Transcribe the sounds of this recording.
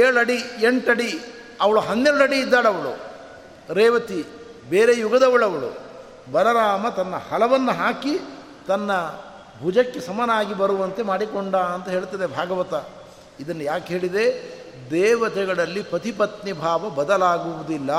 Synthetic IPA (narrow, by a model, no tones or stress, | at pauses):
eːɭɐɽieɳʈɐɽi | ɐʋɐɭuɦɐnːeːɽɐɽiːd̪ːaːɭɐʋɐɭṵ | ɾɛːʋɐt̪i | beːɾejuɡɐd̪ɐʋɐɭɐʋɐɭṵ | bɐlɐɾaːmɐt̪ɐnːɐhɐlɐʋɐnːuɦaːki | t̪ɐnːɐ | bʱud͡ʒɐkːesɐmɐnaːɡibɐɾuʋɐnt̪e̞maːɽikoɳɖaɐnt̪ɐɦe̞ːɭt̪ɐd̪ebʱaːɡɐʋɐt̪ɐ | id̪ɐnːɐjaːkɦe̞ːɭid̪e̞ | d̪ɛːʋɐt̪ɛɡɐɭɐlːipɾɐt̪ipɐt̪nibʱaːʋɐbɐd̪ɐlaːɡuʋud̪ilːɐ